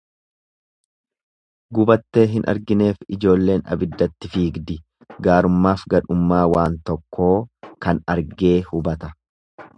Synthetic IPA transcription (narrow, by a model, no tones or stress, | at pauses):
ɡʊbɐt̪ːe̞ːɦɪnʔɐ̰ɾɡɪne̞ːfɪd͡ʒo̞ːlːe̞ːnɐ̰bɪd̪ːɐt̪ːɪfiːɡd̪ɪ | ɡaːɾʊmːaːfɡɐᶑʊmːaːwaːnt̪ɔkʰːo̞ːkɐnɐɾɡe̞ːhʊbɐt̪ɐ